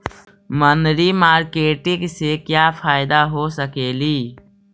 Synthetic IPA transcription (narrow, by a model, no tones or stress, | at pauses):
mənɾimaːɾkeːʈɪ̃ɡsekjaːpʰaːɪd̪aɦoːsəkeːliː